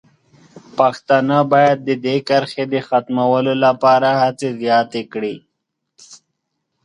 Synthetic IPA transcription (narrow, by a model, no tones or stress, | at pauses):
paxt̪ɑnabɑjad̪̚ːəd̪ekaɾxed̪əxat̪mawəlolapɑːɾahat͡sezjɑːt̪ekɽi